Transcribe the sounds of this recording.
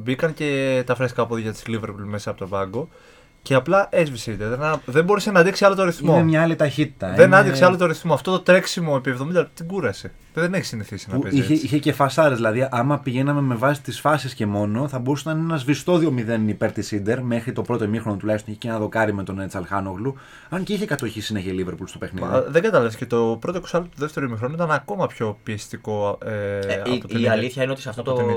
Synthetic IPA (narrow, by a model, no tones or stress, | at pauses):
bikɐnce̞t̪ɐfɾeskɐpoðiʝɐt̪i̥zliveɾpulme̞sɐːpot̪o̞bɐŋɡo̞ | ce̞ɐplɐʔezvisind̪eɾðenɐðebo̞ɾusenɐd̪iksiɐlo̞t̪oɾiθmoemɲɐɐlit̪ɐçit̪i̥t̪ɐðenɐnd̪ikseɐlot̪oɾiθmoɐft̪o̞t̪ot̪ɾe̞ksimo̞epievðo̞mind̪ɐp̪it̪iɡuɾɐse | ðeneçi̥siniθisinɐueziçeiçece̞fɐsɐɾezðilɐðiʔɐmɐpiʝe̞nɐme̞me̞vɐsi̥t̪isfɐsisce̞mo̞no̞θɐbo̞ɾusenɐnenɐzvist̪o̞ðio̞miðe̞nipe̞ɾt̪isind̪e̞ɾme̞xɾit̪o̞bɾo̞t̪o̞emixɾo̞not̪ulɐçst̪niçe̥cenɐðo̞kɐɾimet̪o̞net͡sɐlxɐnoɣlu | ɐnceiçekɐt̪oçisinɐçelive̞ɾpulst̪o̞pe̞xnḭðiðe̞ɡɐt̪ɐlɐvscet̪opɾo̞t̪oksɐlt̪uðe̞ft̪e̞ɾoimixɾo̞nuit̪ɐnɐko̞mɐpço̞piest̪iko̞eɐpoeiɐliθçɐineot̪isɐft̪ot̪o